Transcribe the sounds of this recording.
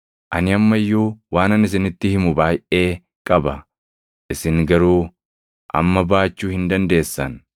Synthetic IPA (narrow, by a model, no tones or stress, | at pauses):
ʔɐnɪɐmːɐjːuːwaːnɐnɪs̬ɪnɪt̪ːɪhɪmʊbaːjʔe̞ː | kʼɐbɐ | ʔɪsɪŋɡɐɾuː | ʔɐ̰mːɐbaːt͡ʃːuːhɪnd̪ɐnd̪e̞ːsːɐn